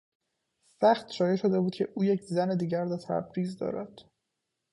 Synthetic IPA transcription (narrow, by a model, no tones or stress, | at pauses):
væχt̪ʃɒːje̞ʃo̞d̪e̞buːd̪̚cʰe̞ʔuːjecʰzæne̞d̪iːɟæɾd̪æt̪ʰæ̰bɾiːzd̪ɒ̰ːɾæd̪̥